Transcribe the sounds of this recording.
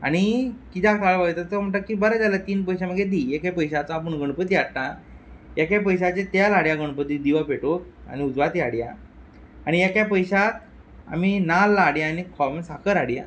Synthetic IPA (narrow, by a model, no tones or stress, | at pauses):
a̰ɽ̃ikit̪ʰakaɭʋat̪aəm̤əɳʈakːibəɾad͡zalat̪iːnpəjɕaməɡed̪ijekjapəjɕat͡saːpəɳɡʱəɳpət̪iaɽt̪a | jakjap̬əjɕat͡ɕet̪jalaɽjaɡəɳpət̪id̪iʋapeʈoka̰ñiud͡zʋat̪iaɽja̰ | aɽ̃ijakjap̬əjɕat̪ | a̰m̤inalːaɽjaːnikʰɔmsakʰəɾaɽja̰